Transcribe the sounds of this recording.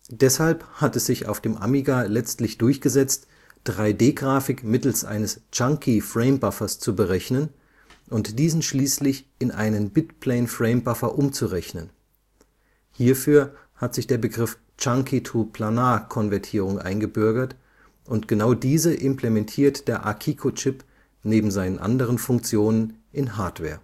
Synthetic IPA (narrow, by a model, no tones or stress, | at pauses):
d̥ɛshalphatɛsz̥ɪça̰ʊfd̥eːmʔa̰miɡalɛt͡stlɪçd̥ʊɐçɡ̥əzɛt͡st | d̥ʁaɪdeːɡʁaːfɪkmɪtl̩sʔa̰ɪnəst͡ʃaŋkʰifʁ̥ɛɪmbafɐst͡subəʁɛçnən | ʔʊntd̥iːzn̩ʃliːslɪçɪnʔa̰ɪnənbɪtpʰl̥ɛɪnfʁ̥ɛɪmbafɐʔʊmt͡suʁɛçnən | hiːɐfyːɐ | hatz̥ɪçd̥eːɐbəɡʁɪf | t͡ʃaŋkʰitʰupʰl̥anaːkʰɔnvɛɐtʰiːʁʊŋʔa̰ɪnɡəbʏɐɡɐt | ʔʊntɡ̥ənaʊdiːzəʔɪmplemɛntʰiːɐtd̥eːɐʔa̰kʰiːkʰot͡ʃɪp | neːbm̩zaɪnənʔa̰ndəʁ̞ənfʊŋk̚t͡sjoːnənʔɪnɦaɐtv̥ɛ̰ːɐ